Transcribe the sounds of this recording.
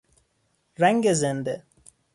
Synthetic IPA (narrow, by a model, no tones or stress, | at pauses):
ɾɛŋɡezend̪e